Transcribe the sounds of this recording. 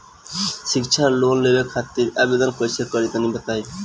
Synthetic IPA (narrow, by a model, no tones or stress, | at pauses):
ʃik̚t͡ʃʰaɾlonlebekʰat̪ːiɾabed̪onkot͡ɕʰekɔɾit̪anibet̪aj